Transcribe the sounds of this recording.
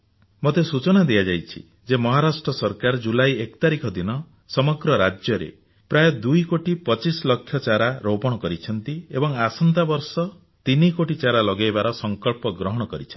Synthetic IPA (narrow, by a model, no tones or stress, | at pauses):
mot̪esut͡ʃɔnad̪ijad͡ʒajt͡ʃʰḭ | d͡ʒemɔɦaɾasʈɾɔsɔɾkaɾd͡ʒulajekɔt̪aɾikʰɔd̪inɔ | sɔmɔɡɾɔɾad͡ʒjɔɾḛ | pɾajɔd̪ujkoʈipɔt͡ʃislɔkʰːjɔt͡ʃaɾaɾowpɔɽ̃ɔkɔɾit͡ʃʰɔnt̪iebɔŋasɔnt̪abɔɾsɔ | t̪inikoʈit͡ʃaɾalɔɡajbaɾɔsɔŋkɔlpɔɡɾɔɦɔɽ̃ɔkɔɾit͡ʃʰa